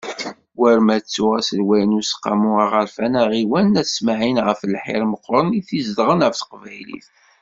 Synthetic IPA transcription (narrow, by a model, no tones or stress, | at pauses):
wæɾmæt͡sːʊʁæsəlwæjnʊsqːa̰muaʁəɾfænæʁiwænːæsmaʕinʁəfəlħɪ̰ɾməqːɾˤəniθizd̪ʁənʁəfθə̥qvæjlḭθ